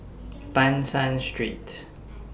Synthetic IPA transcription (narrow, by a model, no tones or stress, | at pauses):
pãnsãnstɹḭt